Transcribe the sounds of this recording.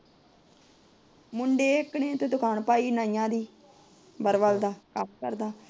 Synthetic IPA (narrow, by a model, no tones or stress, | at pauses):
mʊɳɖeːɪkɳeːt̪eːd̪ʊkʰaːɳpaːiːnaːɪjãːd̪iː | bəɾʋald̪aːkəmkə̰ɾd̪aː